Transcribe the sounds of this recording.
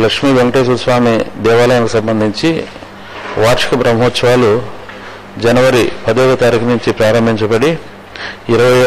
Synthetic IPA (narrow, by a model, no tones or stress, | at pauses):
lɐkʂmiːʋeŋɡɐʈeːs̬usʋaːmid̪ɛːʋaːlɐjɐnɐkusɐmbɐnd̪ʱiɲt͡ʃi | ʋaːɾt͡ʃɐ̥kɐbɾɐmɐɦoːt̪sɐʋaːlu | d͡ʒɐnɐʋɐɾipɐd̪ijeːɡɐt̪aːɾikɐnuɲt͡ʃipɾaːɾɐmbʱiɲt͡ʃɐbɐɽi | iɾɐʋɐj